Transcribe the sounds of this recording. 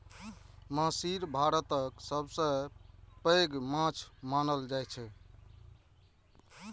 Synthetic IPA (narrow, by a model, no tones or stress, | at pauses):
məsiɾbʱaɾət̪əksəbsə̃pəɡmãt͡ʃʰmanəld͡ʒajt͡ʃʰɛ